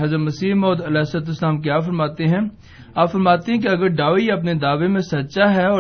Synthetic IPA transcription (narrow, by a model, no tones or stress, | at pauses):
ɦɐzəmɐsiːmɔːd̪ɐlɛːsət̪ɪslaːmk̬jaːfɐɾmaːt̪eɦɛ̃ː | aːpfɐɾmaːt̪eɦɛ̃keɐɡəɾɖaːʋɐp̬ned̪aːʋemẽsɐt̪ːʃaɦɛɔː